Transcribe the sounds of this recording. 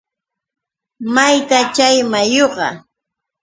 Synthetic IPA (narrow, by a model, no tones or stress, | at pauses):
majt̪at͡ʃajmajoɢɑ̰